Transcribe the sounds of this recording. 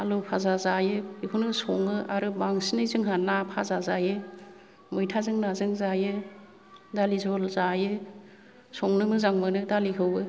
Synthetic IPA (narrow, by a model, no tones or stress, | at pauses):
alupʰazazajɯihʰunɯsɔŋɯʔaɾɯbaŋsinɯjzɯŋɦanapʰazazajɯ | mɯjtʰazɯŋnazɯŋzajɯ | dalizɔlzajɯ | sɔŋnɯmɯzaŋmɯnɯdalikʰɯwbɯ